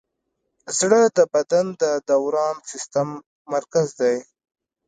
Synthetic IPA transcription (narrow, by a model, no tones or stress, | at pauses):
zɽəd̪əbad̪and̪əd̪awɾɑnsɪst̪amː | aɾkazd̪aj